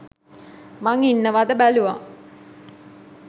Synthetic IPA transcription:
maŋinːəʋad̪əbæluʋa

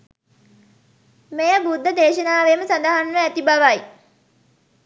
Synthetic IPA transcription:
mejəbud̪ʱːəd̪eːʃənaːʋeməsand̪əɦanʋəæt̪ibaʋaj

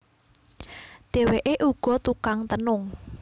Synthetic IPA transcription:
ɖ̥ɛ̤weʔeʔuɡ̥ɔ̤t̪ukaŋt̪ənʊŋ

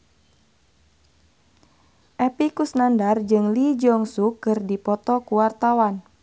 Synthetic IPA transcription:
ʔɛpikusnandard͡ʒɨŋlid͡ʒɔŋsukɨrdipɔt̪ɔkuwart̪awan

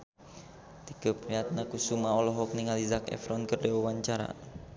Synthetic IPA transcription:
t̪ikəpɾiat̪̚nakusumaɔlɔɦɔk̚niŋalizakɛ̰fɾɔnkərdɛwɔwaɲt͡ʃaɾa̰

